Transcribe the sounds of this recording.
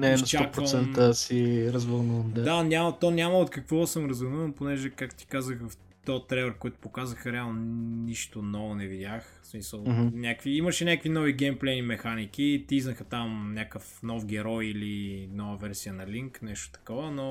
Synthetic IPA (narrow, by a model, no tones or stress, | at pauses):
nɛinst͡ʃaɔkpɾɾsɛnt̪əsiɾɐzvəlˠnuvəmd̪ad̪anʲamət̪ɔnʲaməot̪kɐkvɔsəmɾɐzvənuvənponɛʒɛkak̚t̪ʊ̥t̪i̥kazəxf | t̪ɔt̪ɾɛvəɾkoit̪ʊ̥pokazəxəɾɛalˠnoniʃt̪onɔvonɛvidʲax | smisəlˠɦmnʲakviiməʃɛnʲakvinɔviɡɛmplɛnimɛxanik̟it̪iiznɐxət̪amnʲakəfnɔfɡ̟ɛɾɔjilinɔvəvɛɾsiənɐliŋknɛʃt̪o̥t̪ɐ̥kɔvəno